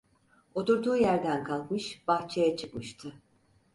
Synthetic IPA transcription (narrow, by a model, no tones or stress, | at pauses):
o̞t̪uɾd̪uːjæɾd̪ænkʰalˠkmɯʃb̥axt͡ʃʰejɛt͡ʃʰɯkmɯʃt̪ʰɯ